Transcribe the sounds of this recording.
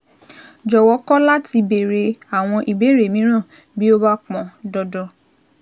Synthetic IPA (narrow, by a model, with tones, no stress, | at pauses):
d͡ʒɔ˨wɔ˨˦kɔ˦la˦ti˧be˨ɾe˨a˨w̃ɔ̃˧ʔi˨be˨˦ɾe˨mĩ˨˦ɾ̃ã˦˨ | bi˦o˦ba˦k͡pɔ̃˨dɔ˧dɔ˧